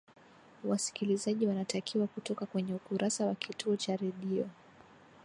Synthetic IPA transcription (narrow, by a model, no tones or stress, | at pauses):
wasi̥kilizaʄiwanatakʰiwakutɔkakwɛɲɛukuɾʔasawakituɔt͡ʃaɾɛɗiɔ